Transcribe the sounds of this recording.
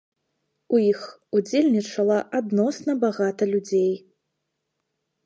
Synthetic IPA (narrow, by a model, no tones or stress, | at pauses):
ujixud͡zʲelʲnʲit͡ʂɐlˠɐʔad̪nɔsnɐbaɣat̪ɐlʲud͡zʲej